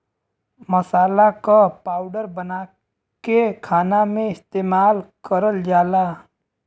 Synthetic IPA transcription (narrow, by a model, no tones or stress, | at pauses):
məsaːlakapaːʊɖəɾbəna | kekʰaːnamẽɪst̪eːmaːlkəɾəld͡ʒaːla